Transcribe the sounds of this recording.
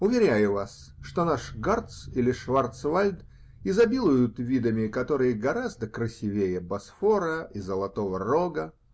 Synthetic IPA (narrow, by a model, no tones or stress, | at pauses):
ʊvʲɪɾʲæjʊvas | ʂt̪onaʂɡart̪silʲɪʂvart̪svalʲd̪ | ɪzɐbʲilˠʊjʊt̪vʲid̪əmʲɪkɐt̪o̞ɾɨjəɡɐɾazd̪əkɾəsʲɪvʲejəbɐsfoɾəizəlˠɐt̪o̞vəroɡə